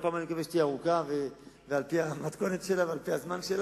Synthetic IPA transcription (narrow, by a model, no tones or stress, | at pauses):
paːmanikaveʃt̪iaʁukavevealpiamat̪ko̞net̪ʃe̞lavealpiazmanʃela